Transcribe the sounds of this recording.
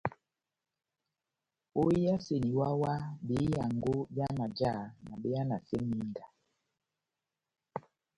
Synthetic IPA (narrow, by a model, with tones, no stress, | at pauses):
o˦ji˦ja˦se˨ni˨wa˦wa˦ɓe˨˦ja˨ŋɡo˦bja˦na˨d͡ʒa˦˨na˨ɓe˦a˦na˨se˦mi˦ŋɡa˨